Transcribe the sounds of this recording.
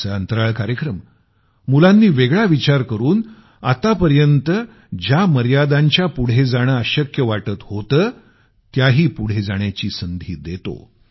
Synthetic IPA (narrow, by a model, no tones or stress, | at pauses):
əənt̪əɾaɭkaɾjəkɾəm | mulanːiːʋeɡɭaʋit͡ɕaɾkəɾuːn | a̰t̪apəɾjənt̪ə | d͡ʑaməɾjad̪aɲt͡ɕjapuɽ̤ed͡zaɽ̃əəɕəkjəʋaʈət̪hot̪əː | t̪jaɦiːpuɽ̤ed͡zaɳ̃jat͡ɕiːsənd̪ʱiːd̪et̪o̰